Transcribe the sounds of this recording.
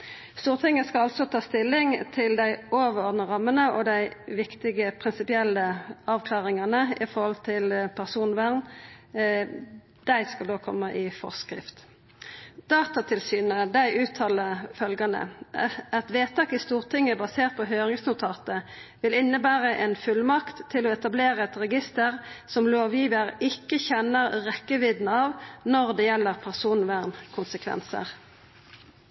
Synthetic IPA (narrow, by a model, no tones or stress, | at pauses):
st̪uːʁt̪ʰɪŋəskɑlɑlt̪sɔt̪ʰɑːst̪ɪlːɪŋt̪ʰɪld̪æɪoːʋəɔʁd̪nəʁɑmːənəʔɔd̪æɪʋɪkt̪ɪɡəpʰʁɪnsɪpɪɛlːəɑːʋkʰlɑːʁɪŋɑnəɪ̰fɔʁhɔlt̪ʰɪlpʰæʁsuːnʋæʁn | d̪̥æɪskɑld̪oːkʰɔmːəʔɪfɔ̰ʁskɾɪ̰ft̪ | d̪̥ɑːt̪ɑt̪ʰɪlsyːnəd̪æɪʔʉːt̪ʰɑːləfœlɡɑnə̰ɛt̪ʋeːt̪ʰɑːkɪst̪uːʁt̪ʰɪŋːəbɑseːʁt̪̚pʰɔɦøːʁɪŋsnʊt̪ʰɑːt̪əʋɪlɪnːəbæːʁəʔɛnfʉlmɑkt̪ʰːɪlɔːɛt̪ɑbleːʁəɛt̪ʁɛɡɪst̪əʁsɔmloːʋjiːʋəʁɪkːəçɛnəʁʁɛkːəʋɪd̪nɑʋnɔʁd̪ɛjɛlːəʁpʰæʁsuːnʋæʁnkʰʊnsəkʰʋɛ̰nsə̰ʁ